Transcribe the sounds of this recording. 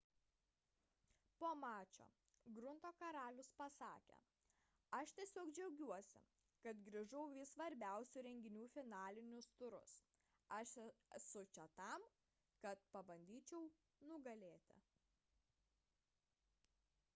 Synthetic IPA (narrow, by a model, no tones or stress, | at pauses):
poːmɑːt͡ʃʲo̰ː | ɡɾʊnt̪oːkɐɾɑːlʲʊspɐsɑːkʲḛ | ɐʃt̪ʲiɛsʲoːkd͡ʒʲɛʊɡʲuɔsʲɪ̰ | kɐt̪ɡɾʲɪʒʊʊʋʲɪsʋɐɾʲbʲæˑʊsʲʊɾʲɛŋʲɡʲɪnʲuːfʲɪnɑːlʲɪnʲʊst̪ʊɾʊ̰s | ɐʃɛɛsʊt͡ʃʲɛt̪ɐˑm | kɐt̪̚pɐbɐnʲd̪ʲiːt͡ʃʲɛʊ | nʊɡɐlʲeːt̪ʲɪ̰